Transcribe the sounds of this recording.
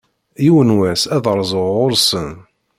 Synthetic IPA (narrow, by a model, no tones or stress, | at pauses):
jiwənwæsæðɾˤzˤʊʊɾsən